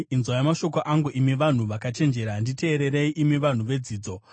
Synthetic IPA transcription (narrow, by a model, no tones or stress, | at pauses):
inzwajamaʃo̞k̬oʔaŋɡuʔimiʋan̤uʋakat͡ʃe̞nd͡ʒe̞ɾandite̞ːɾe̞ɾe̞iʔimiʋan̤uʋe̞d͡ziːd͡zo̞